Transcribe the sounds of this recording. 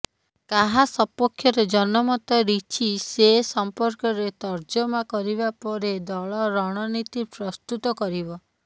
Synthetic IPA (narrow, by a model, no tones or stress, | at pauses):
kaɦasɔpːɔkʰjɔɾed͡ʒɔnɔmɔt̪ɔɾit͡ʃʰisesɔmpɔɾkɔɾet̪ɔɾd͡ʒɔmakɔɾibapɔɾed̪ɔɭɔɾɔɽ̃ɔnit̪ipɾɔst̪ut̪ɔkɔɾibɔ